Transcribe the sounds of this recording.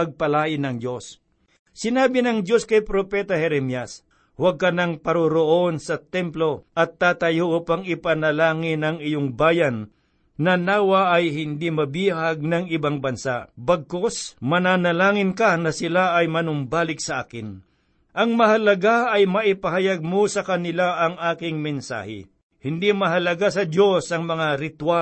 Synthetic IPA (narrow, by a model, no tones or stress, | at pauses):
pɐɡ̚pɐlaːʔɪnɐŋd͡ʒjosː | ɪnaːbɪnɐŋd̪jo̞skɐjpɾopɛt̪ɐhɛɾɛmjɐs | wɐɡ̚kɐnɐŋpɐɾʊɾoʔonsɐt̪ɛmplo̞ʔɐt̪ːaːt̪ɐjoʔupaŋɪpɐnɐlaːŋɪnɐŋɪjoŋbaːjɐnː | ɐnaːwɐʔːjhɪnd̪imɐbiːhaɡ̚nɐŋɪbaŋbɐnsabɐɡ̚kosmɐnaːnɐlaːŋɪnkɐnɐsɪlaɐjmɐnʊmbaːlɪk̚sɐʔaːkɪn | ʔɐŋmɐɦɐlɐɡaʔɐjmɐʔɪpɐɦɐjaɡ̚mosɐkɐnɪlaʔɐŋaːkɪŋmɪnsa̰ːhɛ̰ | hɪnd̪imɐɦɐlɐɡasɐd̪osɐŋmɐŋaɾɪt̪wa